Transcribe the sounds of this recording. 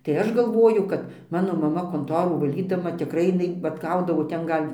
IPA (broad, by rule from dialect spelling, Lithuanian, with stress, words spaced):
tɐɪ ˈɐʃ ɡɐlˠˈʋoːjʊ kɐt ˈmɑːnoː mɐˈmɐ koːnˈtoːruː ʋɐˈlʲiːdɐmɐ tʲɪkˈrɐɪ jɪˈnɐɪ ʋɐt ˈɡɐʊdɐʋoː ˈtʲɛn ˈɡɐlʲ